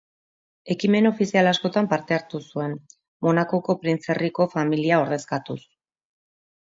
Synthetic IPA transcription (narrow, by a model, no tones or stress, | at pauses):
e̞kime̞no̞fisialasko̞t̪ampaɾt̪e̞aɾt̪usue̞n | mo̞nako̞ko̞pɾint͡se̞riko̞familiao̞ɾð̞e̞skat̪us